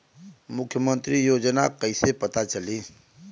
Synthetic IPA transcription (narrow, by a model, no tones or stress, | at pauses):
mʊkʰːjəmə̃nt̪ɾijoːd͡ʒnakɐisepɐt̪at͡ʃɐliː